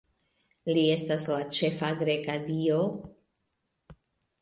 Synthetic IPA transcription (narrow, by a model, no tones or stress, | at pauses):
lie̞staslat͡ʃe̞faɡɾe̞kadio̞